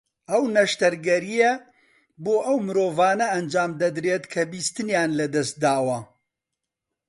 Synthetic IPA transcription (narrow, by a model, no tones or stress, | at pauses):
ʔɐwnɐʃt̪ɐɾɡɐɾijɛ | boːʔɐwmɨɾoːvaːnɐɐnd͡ʒaːmd̪ɐd̪ɾeːt̪kʰɐbiːst̪ɨnjaːnlɐd̪ɐst̪̚d̪aːwɐ